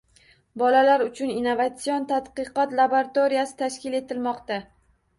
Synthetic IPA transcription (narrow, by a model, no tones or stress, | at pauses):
bɒlalaɾʊt͡ʃʰʊninːovat̪sijont̪ʰad̪qɨqɒt̪lˠaboɾat̪oɾijasɪ̥t̪ʰaʃkʲɪle̞t̪ɪlmɒqt̪a